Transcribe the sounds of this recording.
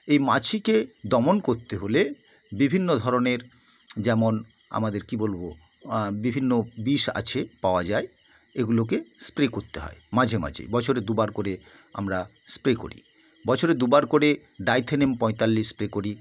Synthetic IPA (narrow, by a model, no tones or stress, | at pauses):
ejmat͡ɕʰiked̪ɔmonkoɾt̪eɦole | bibʱinːod̪ʱɔɾoneɾ | d͡ʑɛmon | a̰mad̪eɾkibolbo | bibʱinːobiʃa̰t͡ɕʰepaoad͡ʑae | eɡulok̬espɾekoɾt̪eɦɔ̰emad͡ʑʱema̰t͡ɕʰḭbɔt͡ɕʰoɾed̪ubaɾkoɾe | a̰mɾa | spɾeko̰ɾḭ | bɔt͡ɕʰoɾed̪ubaɾkoɾe | ɖajt̪ʰenempɔjt̪alːiʃpɾekoɾi